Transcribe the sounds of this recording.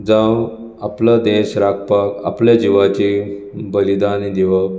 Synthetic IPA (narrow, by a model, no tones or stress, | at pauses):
d͡zãw | aplad̪esɾakʰpaka̰plad͡ʑiʋat͡ɕi | bəlid̪anid̪iʋə